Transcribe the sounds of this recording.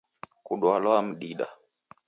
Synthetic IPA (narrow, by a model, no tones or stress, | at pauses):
kuɗwalɔam̩ɗiɗa̰